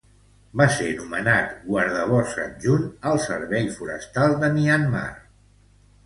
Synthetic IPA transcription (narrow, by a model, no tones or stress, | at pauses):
basenumənat̪ɡwəɾðəβɔsə̰nʒunəlˠsə̰ɾβɛʎfuɾə̰st̪alˠd̪əmianma̰r